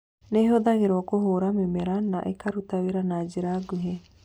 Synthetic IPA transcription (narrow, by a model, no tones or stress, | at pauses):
nɛɦoðaɣeɾɔakoɦoɾamemeɾanaʔekaɾut̪aweɾanaːd͡ʒeɾaɡuɦe